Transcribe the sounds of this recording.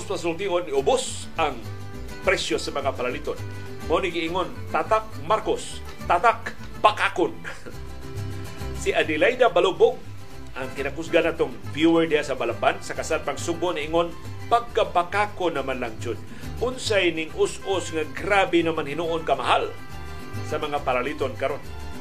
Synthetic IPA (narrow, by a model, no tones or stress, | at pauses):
spas̬ʊlt̪iʔonːɪʊbʊs | ʔaŋ | pɾɛsjosamaŋapalalit̪on | monikiiŋont̪at̪ak̚maɾkos | t̪at̪ak̚ | pakakʊn | siʔad̪ɪlajd̪abalubʊk̚ | ʔaŋkɪnakusɡanat̪oŋ | fjuwɛɹdijasabalambansakasanpaŋsʊbʊniiŋon | paɡ̚kːapakakʊnɐmanlaŋd͡ʒʊn | ʔʊnsajnɪŋʔʊsʊsŋaɡɾabɪnɐmanhɪnuʔonkɐmaɦal | sɐmɐŋapaɾalit̪onkaɾon